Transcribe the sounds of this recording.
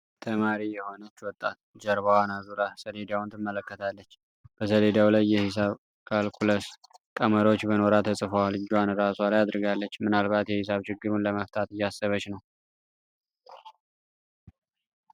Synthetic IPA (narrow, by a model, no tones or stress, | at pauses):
t̪ʰəmaɾijɛho̞nət͡ʃːwɔt̪ʼːat̪̚d͡ʒəɾβawanazuɾasəled̪awnt̪ʰɨmːələkːət̪ʰalːət͡ʃː | b̥əsəle̞d̪awlajːɛhɪs̬aβ | kʰalkʰuləskʼəməɾo̞t͡ʃːbəno̞ɾat̪ʰəsʼɨfəwalɨd͡ʒwanɾaswalajad̪ɾɨɡalːət͡ʃːmɨnalβat̪jɛhɪsaβt͡ʃɪɡːɨɾunləməft̪ʰʼat̪ɨjːasːəβət͡ʃnəw